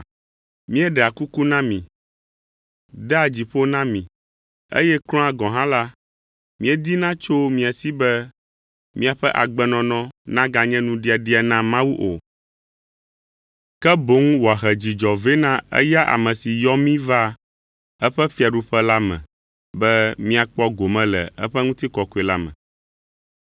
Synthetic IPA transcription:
mĩ˦ɛ˦ɖɛ˨a˨ku˦ku˦nã˦mĩ˨ | d̪ɛ˦a˨d͡ʑi˨ɸo˦nã˦mĩ˨ | ḛ˦jɛ˦klɔ̃˦a˨ɡɔ̃˨ɦã˦la˦ | mĩ˦ɛ˦d̪i˦nã˦t͡ʃo˦mĩ˨a˨si˦bɛ˦ | mĩ˦a˨ɸɛ˦ʔa̰˨ɡ͡bɛ˨nɔ̃˨nɔ̃˦nã˦ɡa˨ɲɛ̃˦nũ˦ɖi˦a˨ɖi˦a˨nã˦mã˦wu˦ʔo̰˨ | kɛ˦bo˨˦ŋ˦wo˨a˨ɦɛ˨d͡ʑi˨d͡ʒɔ˨ve˦nã˦ɛ̰˦ja˦ʔa̰˨mɛ̃˨si˨jɔ˦mĩ˦va˦ | ɛ˦ɸɛ˦fi˦a˨ɖu˦ɸɛ˦la˦mɛ̰̃˨ | bɛ˦mĩ˦a˨k͡pɔ˦ɡo˨mɛ̃˦lɛ̰˨ɛ̰˦ɸɛ˦ŋũ˦t̪i˦kɔ˨ko˨˦e˨la˦mɛ̰̃˨

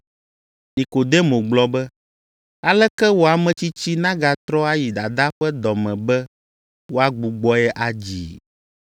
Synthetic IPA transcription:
nĩ˨ko˨d̪ɛ˦mõ˨ɡ͡blɔ˦bɛ˦ | a˨lɛ˦kɛ˦wo˨˦a˨mɛ̃˨t͡ɕi˦t͡ɕi˦nã˦ɡa˨t̪ɾɔ˦a˦ji˨d̪a˨d̪a˦ɸɛ˦d̪ɔ˨mɛ̃˨bɛ˦ | wo˦a˦ɡ͡bu˨ɡ͡bɔ˦ɛ˦ʔa˨d͡ʑḭ˨

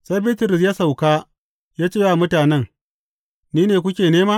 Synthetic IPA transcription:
sa˦jbeː˦tʊ˨ɾɪ˨s̬jaː˦sa˨wkaː˦ | jaː˦t͡ʃeː˦˨wa˨mʊ˦taː˨nɛ˦ŋ | niː˦neː˨kʷʊ˦kʲeː˨neː˦maː˦

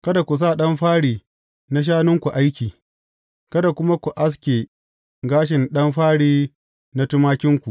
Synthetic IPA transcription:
kɐ˦da˨kʷu˨s̬aː˦˨ɗɐ˦mɸaː˦ɽiː˨ | na˦ʃ̬aː˦nʊ˦ŋkʷu˨ʔa˦jkʲiː˨ | kɐ˦da˨kʷʊ˦ma˦kʷu˨ʔa˦s̬kʲe˨ | ɡaː˦ʃ̬ɪ˨nɗɐ˦mɸaː˦ɽiː˦ | na˦tʊ˦maː˦kʲɪ˦ŋkʷu˨

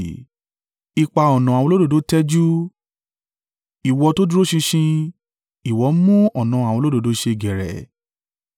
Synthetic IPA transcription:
i˧k͡pa˧˨ɔ˨nɔ̃˨ã˨ɔ̃˧˦o˦do˦˨do˨˦tɛ˦d͡ʒu˦ | i˨wɔ˧to˦du˦ɾo˦ʃĩ˧ʃĩ˧ | i˨wɔ˨˦mũ˦ɔ˨nã˨˧a˨wɔ̃˧˦o˦do˨do˨˦ʃe˧˨ɡɛ˨ɾɛ̰˨

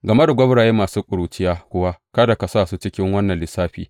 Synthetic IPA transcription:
ɡɐ˨ma˦da˨ɡʷɐ˦bɽaː˨jeː˦maː˨suː˦kʷʼʊ˨ɽuː˨t͡ʃɪ˦jaː˦kʷʊ˦˨wa˦kɐ˦da˨ka˨saː˦˨suː˦t͡ʃɪ˦kʲɪ˦ŋwɐ˦nːɐ˨nlɪ˨saː˦ɸḭː˨

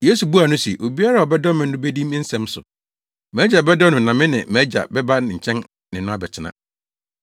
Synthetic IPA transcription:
je˦su˨bu˦a˨nʊ̃˦si˨ʔo˨bi˦a˦ɾa˦˨ɔ˨bɛ˦dɔ˦mɪ̃˨n̩˦ʊ̃˦be˦dĩ˦m˦n̩˦sɛ̃˨msʊ̰˨ | mæː˨˦d͡ʑa˨bɛ˦dɔ˦nʊ̃˨nã˨mɪ̃˦nɪ̰̃˨mæː˨˦d͡ʑa̰˨bɛ˦ba˦nɪ̃˨ɲ̩˨t͡ɕʰɛ̃˦n | nɪ̃˨nʊ̃˦a˦bɛ˨t͡ɕʰɪ˦nã̰˦

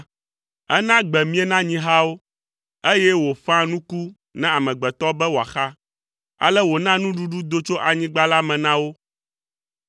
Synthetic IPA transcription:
ɛ̰˦nã˦ɡ͡bɛ˨mĩ˦ɛ˦nã˦ɲĩ˦ɦa˦wo˦ | e˦jɛ˦wo˨fã˦nũ˦ku˦ | nɛ̃˦a˨mɛ̃˨ɡ͡bɛ˨t̪ɔ˦bɛ˦wo˨a̰˨xa˦ | a̰˨lɛ˦wo˨nã˦nũ˦ɖu˦ɖu˦d̪o˦t͡ʃo˦ʔa˨ɲĩ˦ɡ͡ba˦la˦mɛ̃˨nã˦wo˦

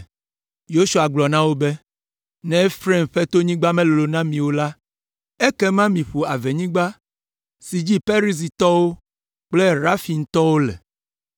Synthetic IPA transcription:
jo˦su˨a˨ɡ͡blɔ˨nã˦wo˦be˦ | nɛ̃˦fɾɛ̃˦˨mɸɛ˦t̪o˦ɲĩ˦ɡ͡ba˦mɛ̃˦lo˨lo˨nã˦mĩ˨wo˦la˦ | ɛ˦kɛ˦mã˦mĩ˨ɸo˨a˨ve˨ɲĩ˦ɡ͡ba˦ | si˨d͡ʑi˦pe˦ɾi˦s̬i˨t̪ɔ˦wo˦ | k͡plɛ˦ɾa˦fi˨ŋ̩˦t̪ɔ˦wo˦lɛ̰˨

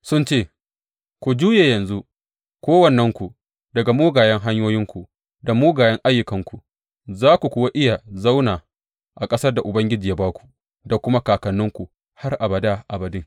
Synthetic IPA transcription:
sʊ˦nt͡ʃeː˦˨ | kʷu˨d͡ʒuː˦je˨jɐ˨nzu˦ | kʷoː˦wɐ˨nːɐ˦ŋkʷu˨ | dɐ˨ɡa˨moː˦ɡaː˨jɛ˦ŋɦa˦ɲjoː˦jɪ˦ŋkʷu˨ | da˨muː˦ɡaː˨jɛ˦ŋʔa˦jːʊ˨kɐ˨ŋkʷu˨ | zaː˦kʷu˨kʷʊ˦wa˦ʔɪ˦ja˨za˦wnaː˨ | ʔa˨kʼɐ˦sɐ˦rda˨ʔʊ˨bɐ˦ŋɡʲɪ˦d͡ʒiː˨ja˦baː˦kʷu̥˨ | da˨kʷʊ˦ma˦kaː˨kɐ˨nːʊ˦ŋkʷu˨ | ha˦rʔa˨bɐ˨daː˦ʔa˨bɐ˨dɪ˦ŋ

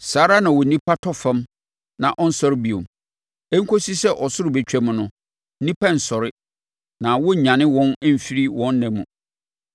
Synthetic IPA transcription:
saː˨˦ɾa˦nã˨wɔ˨nĩ˦pʰa˦tʰɔ˦fã˦m | nã̰˨ʔɔ˦n̩˦sɔ˦ɾɪ˦bi˨õ̰˨m | ɛ˦ŋ̩˦kʰo˦si˦sɛ˦ʔɔ˨sʊ˦ɾʊ˨be˨t͡ɕᶣɛ˦mʊ̃˨nʊ̃˦ | nĩ˦pʰã˦n̩˨sɔ˨ɾɪ˦ | nã˨wɔ˦˨ɲã˨nɪ̃˦wɔ̃˦n˦m̩˨fi˦ɾi˦wɔ̃˦nː˦ɛ̃˨mːṵ̃˨

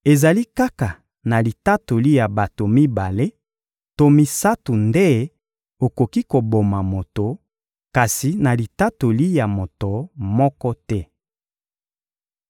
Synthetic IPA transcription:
e˨za˨li˦ka˦ka˨ | na˨li˨ta˦to˨li˦ja˨ba˨to˨mi˦ba˨le˦ | to˦mi˨sa˦tu˨nde˦ | o˨ko˨ki˦ko˨bo˨ma˨mo˨to˨ | ka˨si˨na˨li˨ta˦to˨li˦ja˨mo˨to˨mɔ˦kɔ˦tɛ˦

